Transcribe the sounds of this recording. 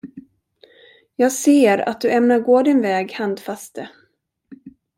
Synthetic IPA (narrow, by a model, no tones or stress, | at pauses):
jɑːɡseːɾa̰t̪̚d̪ɵʔɛmnaɾɡoːd̪ɪnvɛːɡhand̪fast̪ə